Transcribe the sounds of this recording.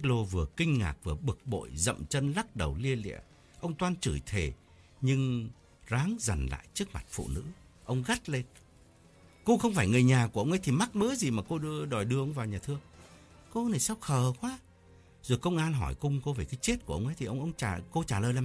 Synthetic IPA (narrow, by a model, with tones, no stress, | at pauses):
tːk̚lo˧vɨ˨˩əkï˧ŋ̟ŋa̰ː˨˩k̚vɨ˨˩əɓɨ˨˩k̚ɓo̰˧˨jzə̰˧˨mt͡ɕə˧nla˦˥k̚ɗə˨˩wli˧əlḭ˧˨ə | ʔə˧wŋ͡mt̪waː˧nt͡ɕɨ˧˩jt̪ʰe˨˩ | ɲɨ˧ŋ | zaː˨˦ŋza˨˩jŋ̟la̰ː˧˨jt͡ɕɨ˦˥ək̚ma̰˨˩t̚fṵ˧˨nɨ̰˧˥ | ʔə˧wŋ͡mɣa˦˥t̚le˧n | ko˧xə˧wŋ͡mfaː˧˩jŋɨ˨˩əjɲaː˨˩k̬u˧˩əə˧wŋ͡mʔə˨˦jt̪ʰi˨˩ma˦˥t̚məː˨˦jzi˨˩maː˨˩ko˧ɗɨ˧əɗɔ˨˩jɗɨ˧əʔə˧wŋ͡mvaː˨˩wɲaː˨˩t̪ʰɨ˧ə | ko˧na˨˩jsa˧wxəː˨˩kwaː˨˦ | zo˨˩jkə˧wŋ͡mʔaː˧nɦɔ˧˩jkʊ˧ŋ͡mko˧ve˨˩kaː˨˦jt͡ɕe˦˥t̚k̚u˧˩əʔə˧wʔə˨˦t̪ʰi˨˩ʔə˧wŋ͡mʔə˧wŋ͡mt͡ɕaː˧˩ko˧t͡ɕaː˧˩ləː˨˩jla˨